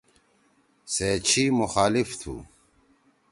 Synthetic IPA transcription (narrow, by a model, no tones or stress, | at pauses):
seːt͡ɕʰiːmʊxaːlift̪ʰṵː